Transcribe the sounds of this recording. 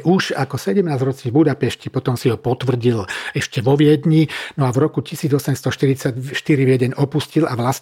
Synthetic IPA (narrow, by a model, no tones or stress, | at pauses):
ʔuʒakɔsɛɟɛmnaːzɾɔt͡sɲibud̪apɛʃcipɔt̪ɔmsiɦɔpɔt̪ʋr̩ɟilɛʃcɛʋɔʋɪɛd̪ɲinɔavɾɔkucisiːd͡zɔsɛmst̪ɔʃt̪iɾit͡saɟʃt̪iɾiʋjɛɟɛɲɔpuscilaʋlas